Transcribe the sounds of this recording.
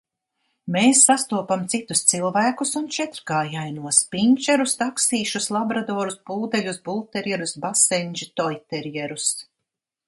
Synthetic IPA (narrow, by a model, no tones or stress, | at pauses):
meːsːast̪uɔpamt̪sit̪u̥st̪silˠvæːkusunt͡ʃɛt̪ɾɡaːjajnuɔspiɲʲt͡ʃɛɾust̪aksiːʃuslˠabɾad̪ɔːɾusbuːd̪ɛlʲusbulˠt̪ɛɾjɛɾusbasɛɲʲd͡ʒit̪ɔjt̪ɛɾjɛɾus